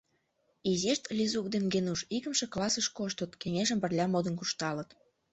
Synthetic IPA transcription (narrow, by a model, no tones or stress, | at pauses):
iziʃt̪lʲizuk̚d̪emɡenuʃikə̆mʃĕklɑsəʃkoʃt̪ət̪keŋeʒə̆mpə̆rlʲɑmod̪ə̆nkuʃt̪ɑlə̆t̪